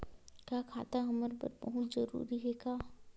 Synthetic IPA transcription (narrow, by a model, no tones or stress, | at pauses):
kjaːkʰaːt̪aɦɐməɾpə̰ɾbəɦʊt̪zəɾṵːɾiɦɛkaː